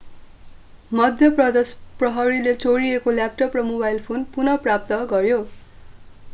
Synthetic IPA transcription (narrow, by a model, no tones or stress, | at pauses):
mʌd̪ʱjʌprʌd̪esprʌɦʌɾilet͡soɾiekoljap̚ʈʌprʌmobajlpʰonpunʌprap̚t̪ʌɡʌɾjo